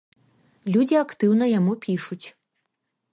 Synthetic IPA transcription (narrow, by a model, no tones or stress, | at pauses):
lʲud͡zʲiakt̪ɨwn̪ɐjamupʲiʂut͡sʲ